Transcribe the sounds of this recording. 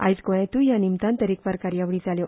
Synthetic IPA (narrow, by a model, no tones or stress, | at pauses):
ajzɡoat̪ujanimt̪ant̪eɾik̚baɾkaɾiawɾit͡saleo